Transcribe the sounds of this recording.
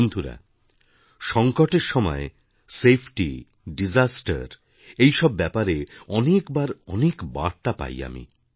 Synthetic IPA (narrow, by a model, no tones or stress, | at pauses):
nd̪ʱuɾa̰ | ʃɔŋkoʈeɾʃɔmɔ̰e | sepʰʈi | ɖid͡ʑasʈa̰ɾ | ejʃɔbːɛpaɾeɔnekbaɾɔnekba̰ɾt̪apa̰ja̰mḭ